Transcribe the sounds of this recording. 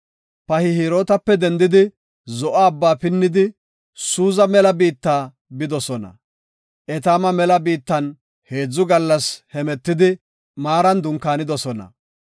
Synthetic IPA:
pɐhɪhiːɾo̞ːt̪ɐpːɛd̪ɛnd̪ɪd̪ɪ | zɔʔaːbːaːpɪnːɪd̪ɪ | suːzɐmɛlɐbiːt̪ːaː | bɪd̪ɔsɔnɐ̰ | ʔɛt̪aːmɐmɛlɐbiːt̪ːɐn | he̞ːd͡zːʊɡɐlːɐshɛmɛt̪ːɪd̪ɪ | maːɾɐnd̪ʊŋkːaːnɪd̪ɔsɔnɐ̰

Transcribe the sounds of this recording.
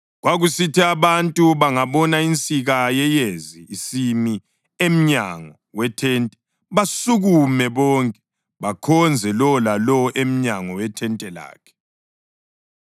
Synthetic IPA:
ɣwaɣusitʰiaβantʼuβaŋaβɔnaint͡sʼiɣajɛjeziːsimi | em̩ɲa̰ŋɔ | wɛtʰɛːntʼɛ̥ | βasuɣumɛβɔːŋkʼɛ̥ | βakʰɔnd͡zʱɛlɔlalɔʔem̩ɲaŋɔwɛtʰɛntʼɛla̰ːkʰɛ̥

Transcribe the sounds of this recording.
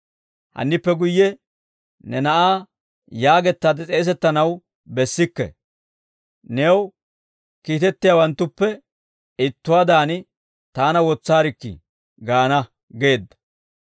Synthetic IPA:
hɐ̰nːɪpːɛɡʊjːɛ | nɛnɐʔaː | jaːɡɛt̪ːaːd̪ɛt͡sʼe̞ːs̬ɛt̪ːɐnɐw | bɛsːɪkːɛ̰ | neːw | kiːt̪ɛt̪ːɪjawɐnt̪ːʊpːɛ | ɪt̪ːʊwaːd̪aːnɪ | t̪aːnɐwɔt͡sːaːɾɪkːɪ̰ | ɡaːnɐ | ɡe̞ːd̪ːɐ̥

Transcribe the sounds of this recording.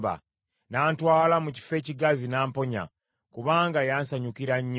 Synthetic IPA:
ba̰ | naːntwaːlamuci̥fe̞ːciɡazinaːmpo̞ɲa̰ | kuβaːŋɡajaːnsaɲukiɾaɲː

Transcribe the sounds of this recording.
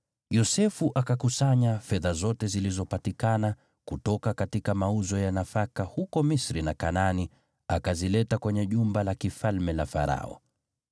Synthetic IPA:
jɔsɛfuʔakakusaɲafɛðazɔtɛzilizɔpatikana | kutɔkakatikamauzɔjanafakahukɔmisɾinakanani | akazilɛtakwɛɲɛʄumbalakifalmɛlafa̰ɾa̰ɔ̰

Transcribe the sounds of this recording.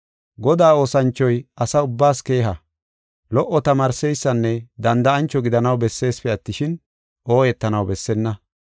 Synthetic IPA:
ɡɔd̪aːo̞ːsɐnt͡ʃːɔjɐsɐʊbːaːske̞ːɦɐ | lɔʔːɔt̪ɐmaːɾsɛjsːɐnːɛd̪ɐnd̪ɐɐnt͡ʃːɔɡɪd̪ɐnɐwbɛsːe̞ːspɛɐt̪ːɪʃɪn | ʔo̞ːjɛt̪ːɐnɐwbɛsːɛnːɐ

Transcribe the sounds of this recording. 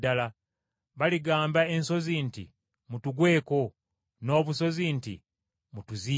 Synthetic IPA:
dala | βaliɡaːmbae̞nso̞zintḭ | mutuɡwe̞ːko̞ | no̞ːβuso̞zintḭ | mutuzi

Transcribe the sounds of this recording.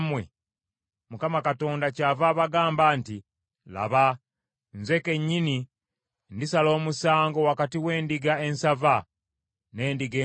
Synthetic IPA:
mwḛ | mukamakato̞ːndacavaβaɡaːmbaːnti | la̰βa | nzwe̞ke̞ɲːini | ndisalo̞ːmusaːŋɡo̞wakatiwe̞ːndiɡae̞nsava | ne̞ːndiɡe

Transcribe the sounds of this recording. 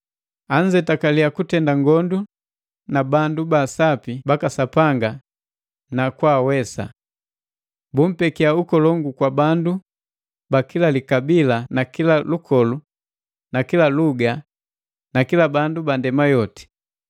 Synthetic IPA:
aɲd͡ʒɛtakaliakutɛndaŋɡɔndu | nabandubasapibakasapaŋɡa | nakwawɛsa̰ | bum̩pɛkiaukɔlɔŋɡukwabandu | bakilalikabilanakilalukʰɔlu | nakilaluɡa | nakilabandubandɛmajɔti̥

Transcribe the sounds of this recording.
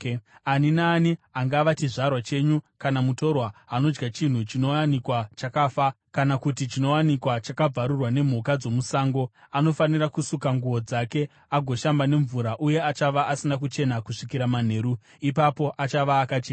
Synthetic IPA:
aninaːniaŋɡaʋat͡ʃiʐarwat͡ʃe̞ɲukanamuto̞rwaano̞d͡ʒɡat͡ʃin̤ut͡ʃino̞wanikwat͡ʃakaːfa | kanakutit͡ʃino̞wanikwat͡ʃakab͡vaɾurwane̞m̤ukad͡zo̞musaːŋɡo̞ | ano̞fanirakusukaŋɡuʋo̞d͡zake̞ | aɡʱo̞ʃambane̞ɱvuɾaʔuje̞at͡ʃaʋaʔasinakut͡ʃe̞nakuʂikiɾaman̤e̞ːɾu | ipapo̞ʔat͡ʃaʋaːkat͡ʃeːna

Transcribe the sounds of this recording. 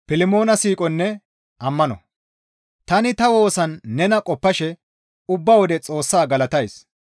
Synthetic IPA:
fɪlɪmo̞ːnɐsiːkʼɔnːɛ | ʔɐmːɐnɔ̰ | t̪ɐnɪt̪ɐwo̞ːsɐnːɛnɐkʼɔpːɐʃɛ | ʊbːɐwɔd̪ɛt͡sʼo̞ːsːaːɡɐlɐt̪ɐjs

